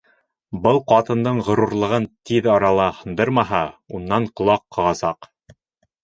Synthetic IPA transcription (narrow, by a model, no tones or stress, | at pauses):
bɤlˠqɑt̪ɤ̆nd̪ɤɴʁŏɾuɾlˠɤ̆ʁɤnt̪iðɑɾɑlˠɑhɤ̆nd̪ɤɾmɑɦɑunːɑɴqŏlˠɑqːɑʁɑsɑq